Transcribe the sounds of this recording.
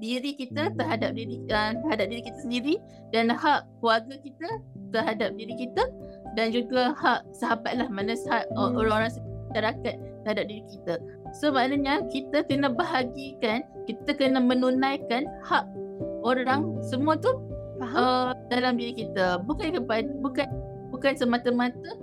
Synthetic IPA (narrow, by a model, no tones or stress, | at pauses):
diɾikit̪ət̪əɦadap̚diɾiət̪əɾɦadap̚diɾikit̪asəndiɾi | danhaʔkluaɡakit̪ət̪əɦadap̚diɾikit̪ə | dand͡ʒuɡahaʔsaɦabat̪̚lahmanasɦaʔəoɾaŋoɾaŋsəʃaɾakat̪̚ːəɾhadap̚diɾikit̪a | somaʔnaɲakit̪əkənəbəɦaɡikankit̪akənamə̃nunãjkanhaʔoɾaŋsəmũat̪u | ɦədalamdiɾikit̪abukankəpadbukan | bukansəmat̪əmãt̪ə